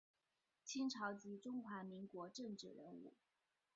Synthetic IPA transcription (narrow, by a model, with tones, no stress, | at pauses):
t͡ɕʰi˥nʈ͡ʂʰɑ˧˥ʊt͡ɕi˧˥ʈ͡ʂʊ˥ŋxwa˧˥mi˧˥ŋkwɔ˧˥ʈ͡ʂɤ˥˧ŋʈ͡ʂɻ̩˥˩ɻə̰˧˥nṵ˥˩